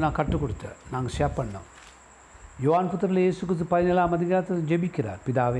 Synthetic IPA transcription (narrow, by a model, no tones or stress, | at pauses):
naːŋkɐʈːukoɽut̪ːɨ̰naːŋɡɕaːpːɐɳːṵ | joːaːnput̪ːɾɐiljeːsukrɨs̬t̪upɐɾɐɲɐlːaːmɐd̪iɣaːt̪ːɐd͡ʑebikʲːiɾa̰ːpiðaːʋe